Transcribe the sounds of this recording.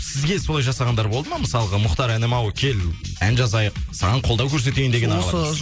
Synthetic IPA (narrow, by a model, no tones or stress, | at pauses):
sɪzɡʲe̞solˠɑjʒɑsɑʁɑnd̪ɑɾbo̞lˠd̪əmɑməsɑlˠəʁɑmʊχt̪ɑɾænemɑwəkʲʰe̞l | ænʒɑzɑjəq̚sɑʁɑɴqʰo̞ld̪ɑwkʲʰɵɾse̞t̪ejnd̪e̞ɡʲenɑɑlˠɑ